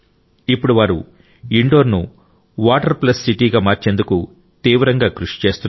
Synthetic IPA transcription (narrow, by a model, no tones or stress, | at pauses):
ipːuɽuʋaːɾṵ | iɳɖo̞ːɾnu | ʋaːʈɐɾplɐsːiʈiːɡaːmaːɾt͡ʃe̞ːnd̪uku | t̪iːʋɾɐŋɡaːkɾuʂi̥t͡ʃe̞ːst̪un